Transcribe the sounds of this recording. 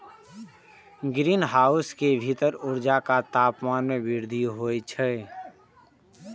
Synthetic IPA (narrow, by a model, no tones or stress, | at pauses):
ɡɾiːnɦaːʊskebʱit̪əɾʊɾd͡ʒakat̪aːpmaːnmẽbɪɾd̪ʱiɦojt͡ʃʰɛ